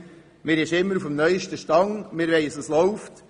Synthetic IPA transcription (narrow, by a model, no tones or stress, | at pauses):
mɪːɾɪʃɪmːəɾufəm̩nœʏʃtəʃtɑŋmɪɾʋɛɪsɑslɔʊft